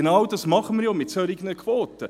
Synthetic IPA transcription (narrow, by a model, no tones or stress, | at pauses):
nɑwdɑsmɑχəmɪːɾjoːmɪtsœɾɪɡənəkʰʋoːt̪ə